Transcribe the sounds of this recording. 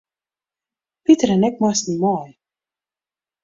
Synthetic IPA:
pit̪ɾanɛk̚masnʲimɔːj

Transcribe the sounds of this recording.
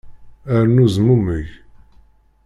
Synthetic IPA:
æɾnuzmuməʝ

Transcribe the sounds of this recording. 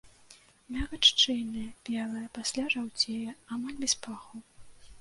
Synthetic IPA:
mʲaɣat͡ʂt͡ʂɨjnɨjɐbʲɛlˠɐjɐpasʲlʲaʐawt͡sʲejɐamalʲbʲɛspaxuw

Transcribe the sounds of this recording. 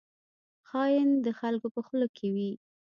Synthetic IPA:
xɑjɪnd̪əxalkopəxəlokʰewi

